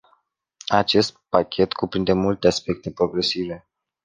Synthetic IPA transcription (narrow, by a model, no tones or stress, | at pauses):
at͡ʃe̞st̪̚pakʲʰe̞t̪kupɾind̪e̞mult̪easpe̞k̚t̪e̞pɾo̞ɡɾe̞sive̞